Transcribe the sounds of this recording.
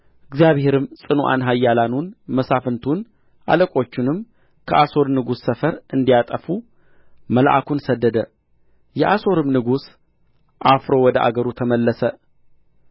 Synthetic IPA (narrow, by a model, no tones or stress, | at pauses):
ɨɡzijaβhe̞ɾɨmsʼɨnoʔa̰nɦajːalanunməsafɨnt̪ʰun | ʔa̰ləkʼo̞t͡ʃːɪnɨm | kʰəʔaso̞ɾnɨɡusːəfəɾɨnd̪ijat̪ʼəfu | məlaʔa̰kunsəd̪ːəd̪ə | jɛʔaso̞ɾɨmnɨɡus | ʔafɾo̞wɔd̪əʔa̰ɡəɾut̪ʰəməlːəsə